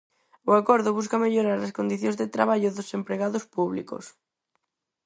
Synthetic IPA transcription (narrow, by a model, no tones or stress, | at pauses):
ʊakɔɾðʊβus̬kɐmeʎoɾaɾɐskond̪iθjõnzðet̪ɾaβ̞aʎʊðosempɾeɣaðʊspuβlḭko̰s